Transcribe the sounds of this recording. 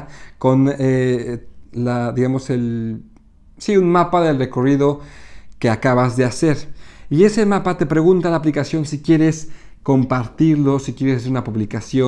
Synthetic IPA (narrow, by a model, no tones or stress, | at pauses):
ko̞ne | laðiɣamo̞se̞l | siunmapaðe̞lre̞ko̞riðo̞ke̞akaβazðe̞ase̞ɾie̞se̞mapat̪e̞pɾe̞ɣ̞unt̪alaːplikasjo̞nsikje̞ɾe̞s | ko̞mpaɾt̪iɾlo̞sikje̞ɾesaseunapuβlikasjo